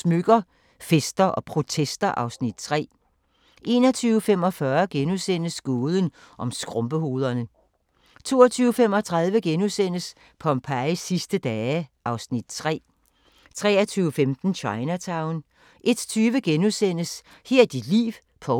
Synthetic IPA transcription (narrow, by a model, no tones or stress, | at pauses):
smøɡ̥ɐ | fesd̥ɐʔɒ̽pʰʁo̝t͡sʰesd̥ɐʔɑ̈ʊsnid̥̚t͡sʰʁɛ̰ː | ʔe̝ːnɐt͡sʰyːʊfem̰ɒ̽fɶɐɡ̥enusen̰əsɡ̥oːðˠən | ʔɒ̽msɡ̥ʁɔ̽mb̥əɦo̝ːð̞ˠɐnə | t͡sʰo̝̰ːɐt͡sʰyːʊfemɒ̽t͡sʰʁɑð̞ˠʋəɡ̥enusen̰əs | pʰɒ̽mpʰæɪsːisd̥əd̥ɛːʔɑ̈ʊsnid̥̚t͡sʰʁɛ̰ː | t͡sʰʁɛ̰ːɐt͡sʰyːʊfemd̥n̩ɕʰɑ̈ɪnæt͡sʰɑ̈ʊn | ʔe̝d̥t͡sʰyːʋəɡ̥enusen̰əs | heɐ̰d̥id̥lḭːʋ | pʰɒ̽